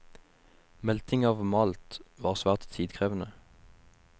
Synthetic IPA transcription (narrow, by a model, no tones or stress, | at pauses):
mɛlt̪ɪŋɑːʋmɑːlt̪ʋɑːʁsʋæːʁt̪t̪ʰiːd̪kʰʁeːʋnə